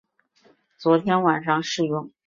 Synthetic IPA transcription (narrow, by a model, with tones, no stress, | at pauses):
t͡swɔ˧˥t̪ʰjɛ˥nwa˨˩nʂɑ˥˧ŋʂɻ̩˥˧jʊ˥˩ŋ